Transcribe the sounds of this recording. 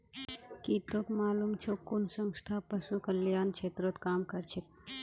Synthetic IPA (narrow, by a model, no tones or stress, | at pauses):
kiːt̪okmaːlumt͡ʃʰokunsəŋsʈ̪ʰapəsukəljaːnt͡ʃʰeːt̪ɾot̪kaːmkɐɾt͡ʃʰek